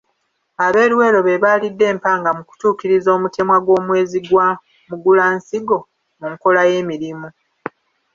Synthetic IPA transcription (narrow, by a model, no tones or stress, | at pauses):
aβe̞ːɾwe̞ːlo̞βe̞βaːlidːe̞ːmpaːŋɡamuku̥tuːkiɾizo̞ːmute̞mwaɡwo̞ːmwe̞ːziɡwa | muɡulaːnsiɡo̞ | muŋko̞laje̞ːmiɾimu